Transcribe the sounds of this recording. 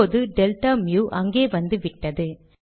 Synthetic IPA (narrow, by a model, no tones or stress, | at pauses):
oːðɯɖɛlʈaːmjuːʔɐŋɡeːʋɐnd̪ɯʋɪʈːɐðɯ